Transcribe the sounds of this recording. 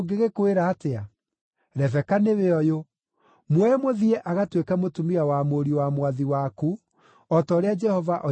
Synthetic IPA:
ɡeɣekoeɾaːtea | ɾɛvɛkaneweɔjo | mwɛmoðiɛʔaɣatwekamotumiawamoɾiwamwaðiwaku | ɔtɔːɾead͡ʒɛhɔvaʔɔ

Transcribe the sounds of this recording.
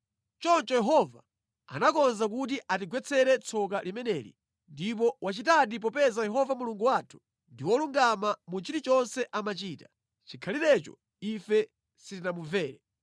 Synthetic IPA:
t͡ʃɔnt͡ʃɔjɛɦɔva | a̰nakɔnzak̬utiʔat̬iɡwɛt͡sʰɛɾɛt͡sʰɔk̬alimɛnɛːlḭ | ndip̬ɔwat͡ʃitaɗip̬ɔpɛzajɛɦɔvamuluŋɡuwatʰu̥ | ndiwɔluŋɡamamut͡ʃiɾit͡ʃɔnsɛʔamat͡ʃiːta | t͡ʃikʰaliɾɛt͡ʃɔ̰ | ifɛ | sitinamuvɛːɾɛ

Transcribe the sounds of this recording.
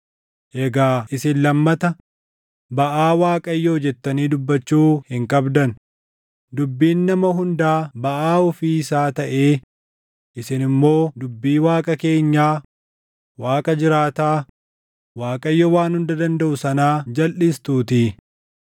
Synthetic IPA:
ʔɛɡaːʔɪsɪnlɐmːɐt̪ɐ | bɐʔaːwaːkʼɐjːɔd͡ʒɛt̪ːɐniːd̪ʊbːɐt͡ʃːuːhɪŋkʼɐbd̪ɐn | d̪ʊbːiːnːɐmɐɦʊnd̪aːbɐʔaːɔfiːɪsaːt̪ɐʔe̞ː | ʔɪsɪnɪmːo̞ːd̪ʊbːiːwaːkʼɐke̞ːɲːaː | waːkʼɐd͡ʒɪɾaːt̪aː | waːkʼɐjːɔwaːnhʊnd̪ɐd̪ɐnd̪ɐʔʊsɐnaːd͡ʒɐlʔɪst̪uːt̪ɪ

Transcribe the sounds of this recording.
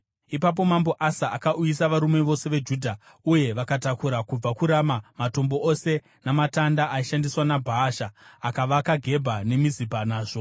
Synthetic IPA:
ipap̬o̞mambo̞ʔasaakaʔujis̬aʋaɾume̞ʋo̞se̞ʋe̞d͡ʒudʱa | uje̞ʋakatakuɾakub͡vakuɾamamato̞mbo̞ose̞ | namatandaʔaiʃandiswanabʱaːʃaːkaʋakaɡʱe̞bʱane̞mizibʱanaːʐo̞

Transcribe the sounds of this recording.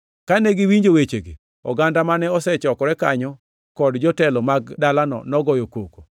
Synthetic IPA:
kanɛɡiwiɲd͡ʒowet͡ʃeɡḭ | ɔɡandamanɛɔsɛt͡ʃɔkɔɾɛkaɲɔ | kɔdd͡ʒɔtɛlɔmaɡdalanɔ̰nɔɡɔjokoko̥

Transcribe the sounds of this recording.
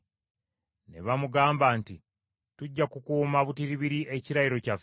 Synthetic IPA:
ne̞̰βamuɡaːmbanti | tuɟːakukuːmaβutiɾiβiɾiʔe̞ciɾajiɾo̞caf

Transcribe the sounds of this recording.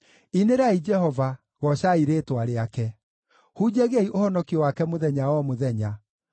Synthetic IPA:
ineɾaid͡ʒɛhɔva | ɣɔɕaiɾeːtwaɾeakɛ | hud͡ʑeɣeiʔohɔnɔkiɔwakɛmoðɛɲawɔmoðɛɲa

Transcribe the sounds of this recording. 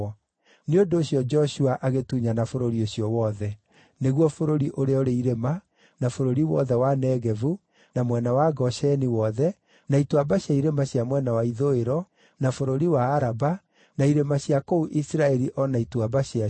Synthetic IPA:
neondoːɕjɔd͡ʒɔɕuaʔaɣetuɲanafoɾoɾioɕjɔwɔðɛ | neɣwɔfoɾoɾiʔoɾeɔoɾeiɾema | nafoɾoɾiwɔðɛwanɛɣɛvu | namwɛnawaɡɔʃɛniwɔðɛ | naitwabaɕaiɾemaɕjamwɛnawaiðoeɾɔ | nafoɾoɾiwaːɾaba | naiɾemaɕjakouʔisiɾaɛɾiʔɔnaitwabaɕa

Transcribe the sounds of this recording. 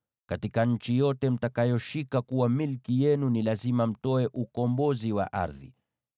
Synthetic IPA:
katikaɲ̩t͡ʃijɔtɛm̩takajɔʃikakuwamilkijɛnunilazimam̩tɔɛʔukɔmbɔziwa̰ʔa̰ɾðḭ

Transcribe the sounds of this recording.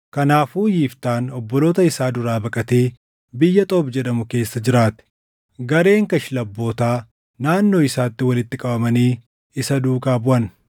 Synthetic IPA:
kɐnaːfuːjiːft̪aːnɔbːɔloːt̪ɐɪsaːd̪ʊɾaːbɐkʼɐt̪e̞ː | bɪjːɐt̪ʼoːbd͡ʒɛɗɐmʊke̞ːsːɐd͡ʒɪɾaːt̪ɛ̥ | ɡɐɾe̞ːŋkɐʃɪlɐbːo̞ːt̪aː | naːnːo̞ːɪsaːt̪ːɪwɐlɪt̪ːɪkʼɐbɐmɐniː | ɪsɐd̪uːkaːbʊʔɐn

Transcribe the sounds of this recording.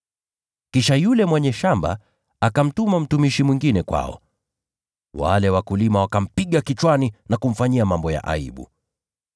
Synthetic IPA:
kiʃajulɛmwɛɲɛʃamba̰ | akam̩tumam̩tumiʃimwiŋɡinɛkwa̰ɔ̰ | wa̰lɛwakulimawakam̩piɠakit͡ʃwaninakum̩faɲiamambɔja̰ʔa̰ḭɓṵ

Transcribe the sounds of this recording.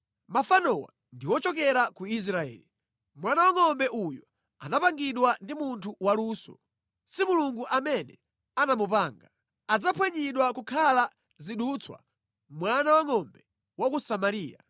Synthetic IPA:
mafanɔwa̰ | ndiwɔt͡ʃɔk̬ɛɾakuis̬ɾaɛ̰ːli | mwanawaŋɔmbɛʔujɔ | a̰napaŋɡiɗwandimuntʰuwaluːsɔ̰ | simuluŋɡuʔamɛnɛ̰ | anamupaːŋɡa | ad͡zapʰwɛɲiɗwakukʰala | ziɗut͡sʰwa̰ | mwanawaŋɔmbɛ | wakusamaɾiːja̰

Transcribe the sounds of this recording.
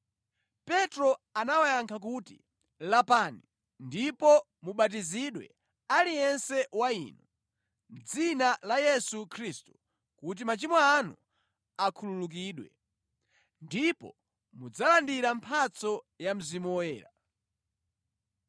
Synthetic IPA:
pɛtɾɔanawajaŋkʰak̬utḭ | lapaːni | ndipɔ | muɓatiziɗwɛ̰ | alijɛnsɛwaḭːnu | m̩d͡zinalajɛsukʰɾistu | kut̬imat͡ʃimɔanṵ | akʰululuk̬iːɗwɛ̰ | ndipɔ̰ | mud͡zalandiɾampʰat͡sɔ | jam̩zimɔɛ̰ːɾa

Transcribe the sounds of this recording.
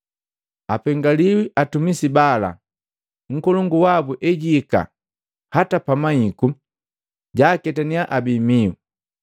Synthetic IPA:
apɛŋɡaliwiʔatumisibala̰ | ŋ̩kɔlɔŋɡuwabuʔɛɟiːka̰ | hatapamaiku | ɟaːkɛtaniaʔabimiwṵ

